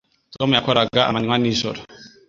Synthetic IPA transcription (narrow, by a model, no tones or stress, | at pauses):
sɔmujakʰɔɾaɡaʔa̰manŋwanisɔ̰ɾɔ